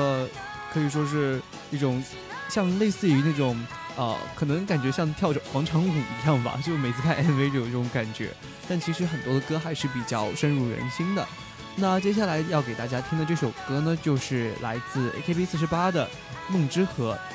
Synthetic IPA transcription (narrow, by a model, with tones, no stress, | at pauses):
kʰɤ˧˥i˨˩ʂwɔ˥ʂɻ̩˥˧ | i˥˩ʈ͡ʂʊ˨˩ŋ | ɕjɑ˥˧ŋle˥˧ɪsɹ̩˥˩y˧˥na˥˩ʈ͡ʂʊ˨˩˦ŋ | ə̰˧kʰɤ˨˩nɤ˧˥ŋka˨˩nt͡ɕɥɛ˧˥ɕjɑ˥˧ŋt̪ʰjɑ˥˩ʊʈ͡ʂɤ˨˩ŋxwɑ˧˥ŋʈ͡ʂʰɑ˧˥ŋu˨˩i˧˥jɑ˥˩ŋbɐ̰˩t͡ɕjo˥˧ʊʂme˨˩ɪt͡sʰɹ̩˥˧pʰa˥˩ɪɛ˥˩nwe˧˥ɪʈ͡ʂɤ˥˩jo˧˩ʈ͡ʂi˥˩ʊ˧˥ŋka˨˩nt͡ɕɥɛ̰˧˥ | t̪a˥˩nt͡ɕʰi˧˥ʂɻ̩˧˥xə˨˩nt̪wɔ˥d̪ə˨˧kɤ˥xa˧˥ɪʂɻ̩˥˩pi˨˩t͡ɕjɑ˥˩ʊʂə˥nɻu˥˩ɻə̰˧˥nɕi˥ŋd̪ə̰˨ | na˥˩t͡ɕjɛ˥ɕ̬a˥˩la˧˥ɪjɑ˥˩ʊke˨˩ɪt̪a˥˩t͡ɕja˥t̪ʰi˥ŋd̪ə˧ʈ͡ʂɤ˥˩ʂo˨˩ʊkɤ˥nə˨t͡ɕjo˥˧ʊʂɻ̩˥˩la̰˧˥ɪt͡sɹ̩˥˩ḛ˥kʰe˥pi˥sɹ̩˥˩ʂɻ̩˧˥pa˥d̪ə˨ | mɤ˥˩ŋʈ͡ʂɻ̩˥xɤ˧˥